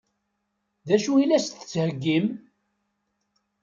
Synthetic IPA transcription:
ðæʃuilæstθə̥t͡sːhəɡːim

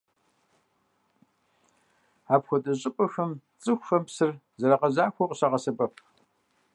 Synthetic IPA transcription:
aːpxʷɔtʼɐɕʼɪpʼɐxɐm | t͡sʼɨxʷːɐmpsɨrzɐɾaqɐʑaːxʷɔqʼəɕaʁɐsɐpʼɐpʰ

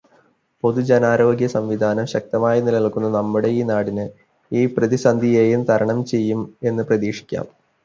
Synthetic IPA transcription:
po̞ðud͡ʑenaːɾo̞ːɡjɐsɐmʋid̪ʱaːnɐmɕɐk̚t̪ɐmaːjɐnilɐiɭkunːɐnɐmːuɽe̞iːnaːɽinɨ | iːprɐðisɐnd̪ʱijeːjumt̪ɐɾɐɳɐmt͡ɕe̞jːume̞nːɨprɐðiːʂi̥kʲːa̰ːm

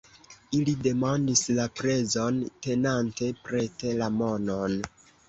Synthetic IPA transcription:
ilide̞mandislapɾe̞zo̞nte̞nante̞pɾe̞te̞lamo̞no̞n

